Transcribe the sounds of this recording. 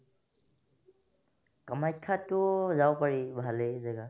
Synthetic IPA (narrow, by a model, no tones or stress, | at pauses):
kamaj̚kʰːatʊzawpaɹibʱalezɛɡa